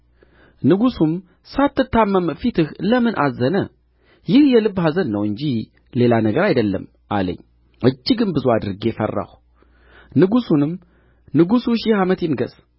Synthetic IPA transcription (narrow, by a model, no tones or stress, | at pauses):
nɨɡusum | sat̪ːɨt̪ʰːamːəmfit̪ʰɨhləmɨnʔa̰zːənə | jɪhjɛlɨbːhazənːəwɨɲd͡ʒi | le̞lanəɡəɾajd̪əlːə̰m | ʔa̰lə̰ɲː | ʔɨd͡ʒːɪɡɨnbɨzuad̪ɨɾɨɡefə̰rːa̰h | nɨɡusunɨm | nɨɡusuʃihamət̪jɪnɡə̰z̥